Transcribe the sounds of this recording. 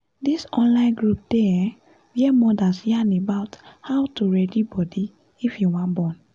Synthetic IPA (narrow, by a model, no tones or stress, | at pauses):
disɔ̃nlãɪ̃nɡɹup̚d̥ɛ | wɛmɔdasjiãnebaʊthawtuɹɛdibɔdi | ifjuwãnbɔ̃n